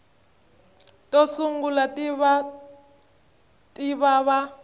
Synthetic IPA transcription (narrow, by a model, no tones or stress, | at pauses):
tʼɔsuŋɡulatβa | tʼiβaβa